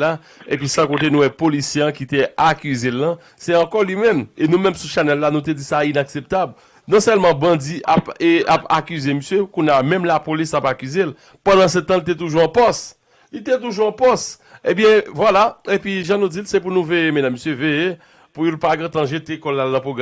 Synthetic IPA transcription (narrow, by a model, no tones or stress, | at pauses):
a | ep̬ɥisãkot̪enũwɛpolisjeãkit̪eakyzelːɐ̃ | sɛɐ̃kɔlɥimɛ̃menũmɛ̃msuʃanɛlːanũt̪̬ed͡zisainaksep̚t̪abl | nɔ̃sɛlmɑ̃bʌ̃d͡ziʔapeapa̰kyzeməsjøkũnamɛ̃mlapolisapakyzel | pãd̪ãsɛ̃t̪ãlit̪̬ɛt̪̬uʒuɐ̃pɔs | lit̪ɛt̪̬uʒuɐ̃pɔs | ẽbjɛ̃vwalaepɥiʒãnũd͡zilsɛp̬unũvejemedamːesjøveje | pujolpaɡãt̪ãʒet̪ekɔlːalnɐ̃poɡ